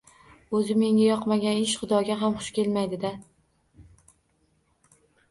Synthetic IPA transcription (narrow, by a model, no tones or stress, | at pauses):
ɵzɪme̞ŋʲajɒqmaɡʲanɪʃχʊd̪ɒɡʲaɦamχʊʃkʲe̞lmajd̪ɪd̪a